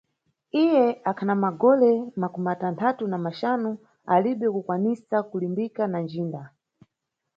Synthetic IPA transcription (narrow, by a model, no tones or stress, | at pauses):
ijɛakʰanamaɡɔlɛmakumatantʰatunamaʃanu | aliɓɛkukwanisakulimbikanand͡ʒiːnda